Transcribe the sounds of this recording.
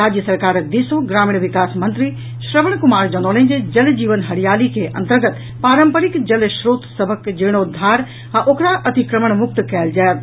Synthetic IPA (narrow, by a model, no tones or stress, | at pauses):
aːd͡ʒjəsɐɾkaːɾd̪isõɡɾaːmiɳ̃ʋɪkaːsmɐ̃nt̪ɾi | ʃɾəʋəɳkʊmaːɾd͡ʒɐnoːlẽɲd͡ʒd͡ʒɐld͡ʑiːʋənɦɐɽijaːlikʰeʔɐ̰̃nt̪əɾɡət̪ | paːɾəmpəɾɪkd͡ʒɐlʃɾoːt̪səbʱəkd͡ʒeːɽ̃od̪ʱaːɾ | ɛ̃ʔoːkɾaʔɐt̪ikɾəməɽ̃mʊk̚t̪kɛːld͡ʒaːjt̪